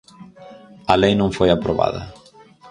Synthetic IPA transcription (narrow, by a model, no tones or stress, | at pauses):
alejnõŋfojapɾoβa̰ðɐ̰